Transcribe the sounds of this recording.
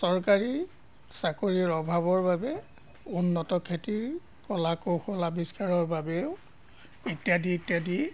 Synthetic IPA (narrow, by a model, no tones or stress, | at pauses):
sɔɹkaɹi | sakoɹiɹɔbʱaβɔɹbabɛ | unːɔtɔkʰetiɹ | kɔlakoxɔlabiskaɹɔɹbabɛʊ | itjadiitjadi